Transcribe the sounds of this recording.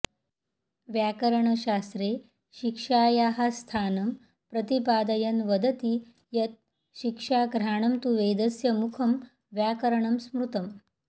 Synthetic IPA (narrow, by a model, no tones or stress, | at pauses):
ʋjakəɾəɳəɕast̪ɾe | ɕikʂaːjaɦast̪ʰaːnɐm | pɾɐt̪ipaːd̪ɐjɐnʋɐd̪ʱət̪i | jɐt̪̚ | ɕikʂaːɡɾaːɳ̃ɐmt̪uʋeːd̪ɐsjɐmukʰɐm | ʋjakɐɾɳɐmsmɾut̪ɐm